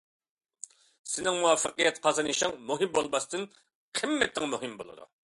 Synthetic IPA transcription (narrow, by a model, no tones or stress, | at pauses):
sɪnɪŋmuwɑfːəqijɛt̪qʰɑzɨnɨʃɪŋmuɦɪmbolˠmɑst̪ɨn | qʰɪmːɛt̪ʰːɪŋmuɦɪmbo̰lˠɨ̰d̪ṵ